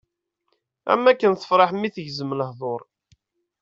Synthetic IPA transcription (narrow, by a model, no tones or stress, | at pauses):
æ̰mːækːənθə̥fɾˤɑħmːiθəʝzəmələhðˤoɾˤ